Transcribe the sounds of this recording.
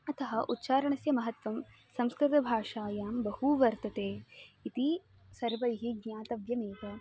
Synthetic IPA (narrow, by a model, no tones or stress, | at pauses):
ɐt̪ɐɦɐʔut̪ːʃaːɾɐɳɐsjɐmɐɦɐt̪ʋɐm | sɐmskɾɪt̪ɐbʱaːʂaːjaːmbɐhuʋɐɾt̪ɐt̪eːit̪i | sɐɾʋɐjɦiɡɲaːt̪ɐʋjɐmeːt̪ɐ